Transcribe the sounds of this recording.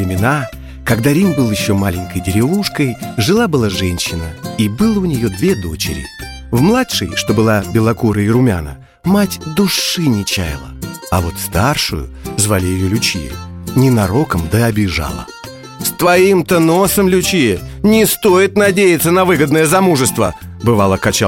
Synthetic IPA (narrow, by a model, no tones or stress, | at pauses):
ɪmʲɪna | kɐɡd̪aɾʲimbɨlˠjɪɕːo̞malʲɪnʲkəjdʲɪɾʲɪvuʂkəjʐɨlˠabɨlˠaʐɛnʲɕːɪnəibɨlˠəʊnʲɪjod̪vʲed̪o̞t͡ɕɪ̰ɾʲɪ̰ | vmlˠatʂɨ̰jʂt̪o̞bɨlˠabʲɪlˠɐkuɾəɪɾʊmʲa̰nə̰ | matʲd̪ʊʂɨnʲɪt͡ɕa̰jɪ̰lˠə̰ɐvo̞t̪st̪arʂʊ̰jʊ̰zvalʲɪjɪjolʲʊt͡ɕijɪ̰nʲɪnɐɾo̞kəmd̪əɐbʲɪʐa̰lˠə̰ | st̪vɐimt̪əno̞səmlʲʊt͡ɕijənʲɪst̪o̞jɪt̪nɐdʲejɪt̪sənɐvɨɡəd̪nəjəzɐmuʐɨst̪və̰ | bɨvalˠəkɐt͡ɕa